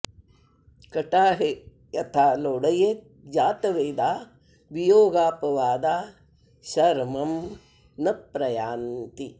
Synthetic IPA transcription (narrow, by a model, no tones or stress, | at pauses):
kɐʈaːɦe | jɐt̪ʰaːloːɽɐjet̪̚ | d͡ʒaːt̪ɐʋeːd̪aː | ʋijoːɡaːpɐʋaːd̪aː | ʃɐɾmɐm | nɐpɾɐjaːnt̪i